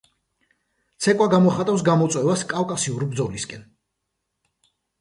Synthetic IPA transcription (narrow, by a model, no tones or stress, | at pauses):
t̪sʰɛkʼwaɡamɔχat̪ʼafs̬ɡamɔt̪sʼwɛvaskʼavkʼasiuɾbɾd̪zɔliskʼɛn